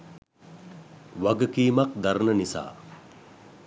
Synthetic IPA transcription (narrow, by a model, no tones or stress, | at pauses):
ʋaɡəkiːmak̚d̪aɾnənisa̰ː